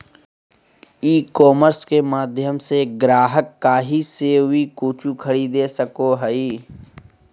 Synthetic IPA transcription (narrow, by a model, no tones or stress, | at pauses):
iːkɔːməɾskemaːd̪ʱjəmseɡɾaːɦəkːaːɦiseɦʊikoːt͡ʃukʰəɽid̪eːsəkoɦəiː